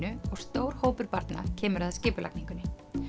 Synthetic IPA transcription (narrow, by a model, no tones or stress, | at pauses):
ʏɔɣst̪oːwɾ̥hoːwpʏɾpaɾt̪na̰cʰɛːmʏɾaðscɪːpʏla̰kniŋkʏnːɪ